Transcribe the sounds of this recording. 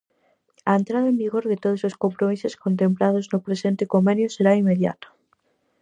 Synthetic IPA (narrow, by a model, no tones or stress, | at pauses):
aent̪ɾaðaembiɣoɾðet̪oð̞ososkompɾomiseskont̪̬emplað̞oznopɾesent̪ekomenjoseɾaimeðja̰t̪ḁ